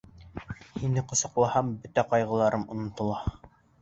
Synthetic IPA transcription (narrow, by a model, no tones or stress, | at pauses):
hinɘqŏsɑ̆qlˠɑhɑmbɵt̪æqɑjʁɤ̆lˠɑɾʔɤmŏnŏt̪ŏlˠɑ